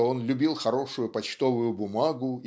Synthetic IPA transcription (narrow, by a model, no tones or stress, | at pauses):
o̞nlʲʊbʲilˠxɐɾo̞ʂʊjʊpɐt͡ɕt̪o̞vʊjʊbʊmaɡʊ